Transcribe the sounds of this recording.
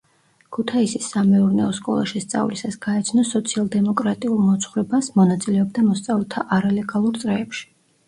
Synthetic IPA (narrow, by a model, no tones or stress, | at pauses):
kʰut̪ʰaisisːamɛuɾnɛɔskʼɔ̰lˠa̰ʃist̪sʼa̰vlisasɡ̥aɛt̪sʰnɔsɔt̪sʰialˠd̪ɛmɔkʼɾat̪ʼiulˠmɔt̪sʰχuɾɛbasmɔnat̪sʼilɛɔb̚d̪amɔst̪sʼavɛlˠt̪ʰaʔaɾalɛɡalˠuɾt̪sʼɾɛːpʃi̥